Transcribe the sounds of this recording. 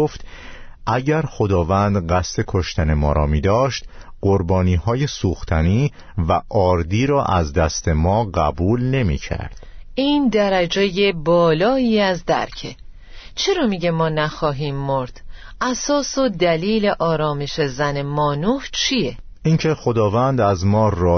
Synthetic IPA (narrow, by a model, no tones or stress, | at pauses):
oft̪ | ʔæɟæɾxo̞d̪ɒːvænd̪ɢæst̪e̞kʰoʃt̪ʰæne̞mɒːɾɒ̰ːmiːd̪ɒːʃt̪ | ɢ̥oɾbɒːniːhɒːje̞suːxt̪ʰæniː | væʔɒːɾd̪iːɾɒːʔæzd̪æst̪ʰe̞mɒːɢæbuːlne̞mḭːcʰæ̰ɾd̪̥iːnd̪æɾæd͡ʒeje̞bɒːlɒːiːæzd̪æ̰ɾcʰe̞ | t͡ʃʰe̞ɾɒːmiɟe̞mɒːnæxɒːɦiːmːoɾd̪̥ | ʔæsɒːsod̪æliːle̞ʔɒːɾɒːme̞ʃe̞zæne̞mɒːnuːht͡ʃʰije | ʔiŋcʰe̞xo̞d̪ɒːvænd̪æzmɒːrɒː